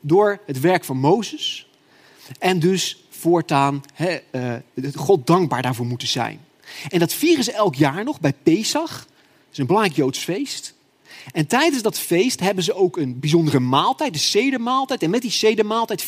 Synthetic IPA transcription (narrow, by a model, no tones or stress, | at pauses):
dʊːɹɦətʋɛɹkfɑnmowzəs | ɛndɵs | fʊːɹtaːnɦɛ | χɔt̚dɑŋɡ̚baːɹdaːɹvʊːɹmutəzɛ̰jn | ɛndɑtfiːrəzəʔɛlˠkjaːɹnɔχbɛjpejsɑχ | ɪsənbəlɑŋrɛjkjowtsfejst | ɛntɛjdənzdɑtfejstɦɛbənzəowkənbizɔndərəmaːlˠtɛjt̚dəsejdəmaːlˠtɛjtɛnmɛt̚disejdəmaːlˠtɛjt